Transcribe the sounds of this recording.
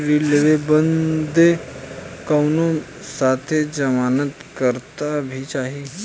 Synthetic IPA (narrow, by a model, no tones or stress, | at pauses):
ɾileʋebənd̪ʱe | kawno | sat̪ʰed͡ʒəmanət̪kəɾt̪abʱit͡ʃaɦi